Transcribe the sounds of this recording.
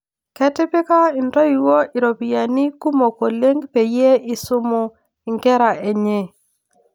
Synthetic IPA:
kɛ˦tɪ˦pɪ˦ka˦ɪ˨nda˦i˨wo˦ʔɪ˨ɾo˨pi˨ja˨ni˦ku˦mo˨ko˨le˦ŋɡpe˨je˦ɪ˦sʊ˦mʊ˦ | ɪ˨ŋɡɛ˦ɾa˨ʔe˨ɲe˦˨

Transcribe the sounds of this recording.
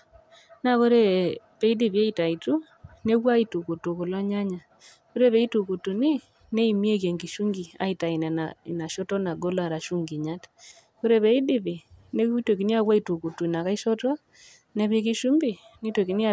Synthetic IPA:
na˦ko˦ɾe˦ | βe˦i˦di˦˨βi˨a˦i˨ta˨i˨tu˦ | ne˦ɣwa˦i˦tu˨ku˨tu˨ko˨la˦ɲa˦ɲa˨ | ko˦ɾe˦βe˨i˦tu˨ku˨tu˨ni˦ | ne˦i˨mi˦e˦kje˨ŋɡi˨ʃu˦ŋɡi˨a̰˨ita˨i˨na˨na˨na˨ʃɔ˦tɔ˦na˨ɡo˦la˦˨ɾa˨ʃu˦ŋɡi˨ɲa˦tḁ | ko˦ɾe˦βe˦i˦di˦βi˨ne˦twe˨ki˨˦ni˦a˦kwa˦itu˨ku˨tu˨na˨ka˦i˦ʃɔ˦ta˦ | ne˦βe˦ki˦ʃu˦mbi˨ | ni˦te˨ki˨˦ni˦a

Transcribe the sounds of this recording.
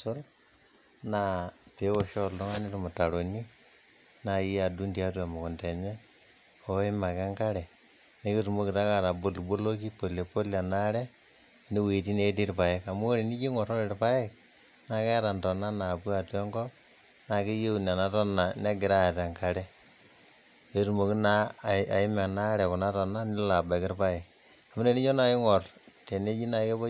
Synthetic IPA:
sʊ˦l | na˦˨te˨˦wɔ˨ʃɔ˦lɔ˦ŋa˦ni˦tu˨mɔ˨ta˨ɾo˨ni˦ | na˨ji˦a˨du˦ntia˦tu˦a˨mɔ˨kɔ˨nte˨ɲɛ˦ | o˨˦ɪ˦ma˨ka˦ŋka˦ɾɛ˨ | ne˦ki˦tu˨mo˦kɪ˨ta˦ka˦˨ɾa˨bo˨lbo˦lo˦ki˦po˨le˨po˦la˨na˦ɾɛ˦ | ne˦we˨ti˦ne˦t̬i˦ɾpa˨ɪ˦ka˨mu˦ɾi˨ni˦ki˦ŋɔ˨ɾɔ˦ɾɪ˨ɾpa˦ɪ˦k̚ | na˨kɛ˦ɾa˨ntɔ˨na˦na˨pu˦a˨tɔ˦ŋɡɔ˦ | na˨ki˦je˦u˨n˨a˨na˦tɔ˦na˨ne˦ɡɪ˨ɾa˦˨ta˨ŋka˨ɾɛ˦ | je˦tu˨mo˨ki˦na˦˨a˨ɪ˦ma˨na˦ɾɛ˨ku˨na˦tɔ˨na˦ni˦la˨ba˨kɪ˦ɾpa˦ɪ˨k̚ | a˨mu˦ne˨ni˦t͡ʃo˦na˦ɪ˦ŋɔ˨rte˨ne˦t͡ʃi˦na˨ke˦bo˦

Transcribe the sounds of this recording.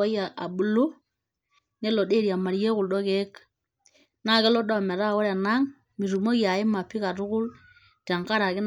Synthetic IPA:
a˦ja˨ʔa˨bu˨lu˦ | ne˦lo˨de˦˨ɾi˨a˨ma˨ɾje˦ku˨lɗɔ˦ke˦k | na˦˨kɛ˦lɔ˦ɗɔ˦˨mɛ˨ɾa˦˨o˦ɾɛ˨na˦ŋ | mi˨ɾu˨mo˦kja˨ɪ˦ma˨pːi˦ka˨ɾʊ˦kʊ˦l | ta˨ŋka˦ɾa˨ke˦n

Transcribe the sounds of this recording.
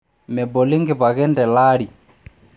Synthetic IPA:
mɛ˨bɔ˨li˦ŋɡɪ˨βa˨ɣɛ˦ndɛ˨la˦ɾi˨

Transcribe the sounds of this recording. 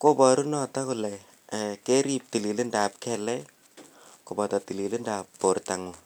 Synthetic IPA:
ko˦bɔ˨ɾu˦nɔ˨tɔ˦kulɛ | ke˦ɾi˦p̚ti˨li˨lɨ˦nda˨p̚kɛlɛ˦ | ko˨bɔ˨tɔ˨ti˨li˨lɨ˦ndapːo˨rta˨ŋu

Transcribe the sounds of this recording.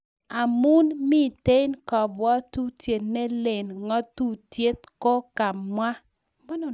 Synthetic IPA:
a˨mu˦nmi˦˨te˦jnkɔ˨bwɔ˦tu˦tje˨tne˦le˨nŋɔ˦tu˦tje˦tko˦ka˨mwa˦ | mɔ˦no˨

